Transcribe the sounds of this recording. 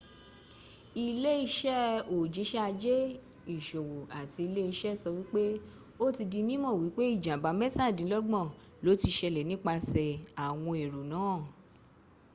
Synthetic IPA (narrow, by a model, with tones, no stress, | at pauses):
i˧le˦i˧ʃɛ˦o˨d͡ʒi˨˦ʃɛ˦a˧d͡ʒe˦ | i˦˨ʃo˨wo˨a˨ti˧i˧le˦i˧ʃɛ˦˨sɔ˧wi˦k͡pe˦ | o˦ti˧di˧mĩ˦mɔ̃˦˨wi˨˦k͡pe˦i˦˨d͡ʒã˨ba˨˦mɛ˦sa˦˨dĩ˨˦lɔ˦ɡ͡bɔ̃˦˨ | lo˨˦ti˧ʃɛ˧lɛ˨nĩ˦k͡pa˧sɛ˨a˨w̃ɔ̃˧e˨ɾo˨nãː˨˦˨